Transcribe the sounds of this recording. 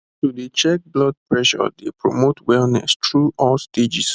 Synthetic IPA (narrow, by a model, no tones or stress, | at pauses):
tudet͡ʃɛk̚blɔd̚pɹɛʃɔ̰depɹo̰motʰwɛlnɛ̰stɹuʔɔlsted͡ʒis